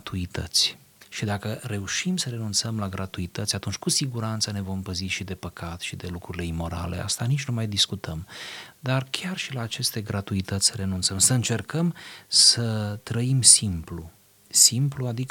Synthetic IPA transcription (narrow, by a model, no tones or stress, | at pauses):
t̪uit̪ə̰t̪sʲ | ʃid̪akəɾe̞uʃimsəɾe̞nunt̪səmlaɡɾʔat̪uit̪ət̪sʲat̪unt͡ʃʲkusiɡuɾant̪səne̞vo̞mpəziʃid̪e̞pəkʰat̪ʃid̪e̞lukɾuɾile̞imo̞ɾa̰le̞̰a̰st̪anit͡ʃʲnumajd̪iskut̪əmd̪arkʲʰarʃilaːt͡ʃe̞st̪e̞ɡɾat̪uit̪ət̪sʲsəɾe̞nunt̪səmsəɨnt͡ʃe̞rkəmsət̪ɾəimsimplu | simpluad̪ikə